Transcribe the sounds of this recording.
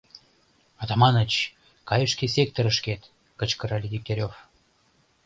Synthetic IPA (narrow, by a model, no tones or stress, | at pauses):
ɑt̪ɑmɑnət͡ɕ | kɑjəʃkesʲek̚t̪oɾəʃket̪ | kət͡ɕkəɾɑlʲid̪ʲik̚t̪eɾʲof